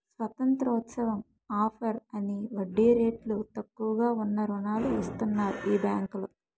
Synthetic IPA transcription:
sʋɐt̪ɐnt̪ɾɔːt̪sɐʋɐm | aːpʰɐɾɐniʋɐɖːiːɾeːʈlut̪ɐkːuʋɐɡaːunːɐɾunaːluɐst̪unːaːɾuʔiːbjaːŋkulu

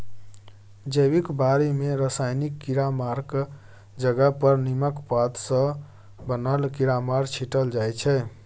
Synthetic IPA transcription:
d͡ʒəjbikbaɾimeɾəsajnikːiɾamaɾɡ | d͡ʒəɡəpəɾniməkpat̪sə̃ | bənəlkiɾamaɾɡt͡ʃʰiʈəld͡ʒajt͡ʃʰɛ

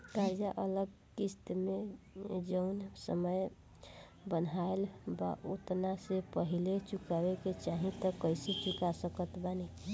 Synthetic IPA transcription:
ɾad͡ʒaʔələɡ | kist̪med͡ʒəʊnsəməj | bənaelba̰ʔot̪nasepəɦilet͡ʃukabeket͡ʃaɦĩt̪əkəjset͡ʃukasəkət̪bani

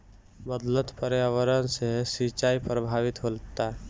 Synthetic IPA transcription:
bəd̪lət̪pəɾeaʋəɾənsesit͡ʃaipɾəbʱaʋɪt̪ɦolt̪a

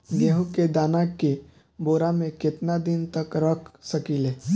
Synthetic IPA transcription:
ɡeːɦũked̪aːnake | boːɾamẽkɪt̪nad̪ɪnt̪ɐkɾəkʰsɐkiːleː

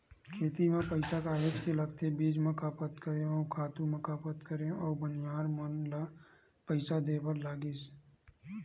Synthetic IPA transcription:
kʰeːt̪imẽpəɪsakaːjoːd͡ʒkelɐɡt̪ebiːd͡ʒmə̃kaːpət̪kəɾẽɔːkʰaːt̪uməkaːpət̪kəɾẽɔːɾbənijaːɾmənla | pəɪsad̪eːpəɾlaːɡiːs

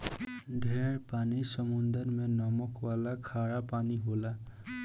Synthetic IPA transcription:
ɖʱeɹpanisʌmund̪əɾmenɔmɔkwalakʰaɽapaniɦola

